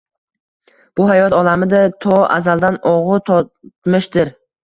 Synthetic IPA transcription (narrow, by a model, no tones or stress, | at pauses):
b̥ʊɦajɒt̪ɒlamɪd̪at̪ʰɒa̰zalˠd̪anɒʁʊt̪ʰɒt̪mɪʃd̪ɪɾ